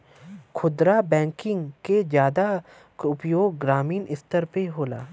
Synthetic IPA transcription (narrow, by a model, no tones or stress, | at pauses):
kʰʊd̪ɾabɛ̃ːŋkɪ̃ŋɡked͡ʒjaːd̪a | ʊpjoːɡ̚ːɾaːmiːnɪst̪əɾpeɦoːla̰ː